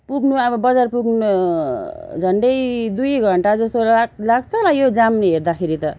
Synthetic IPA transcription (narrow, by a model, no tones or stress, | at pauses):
puɡnuabʌbʌd͡zarpuɡnʌ | d͡zʱʌɳɖʌjd̪ujɡʱʌɳʈad͡zʌst̪olaɡt͡sʰʌlajod͡zamneɦeɾd̪akʰeɾit̪ʌ